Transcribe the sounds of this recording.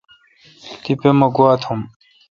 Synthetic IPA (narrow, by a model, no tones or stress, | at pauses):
t̪ipemɐɡuat̪ʰum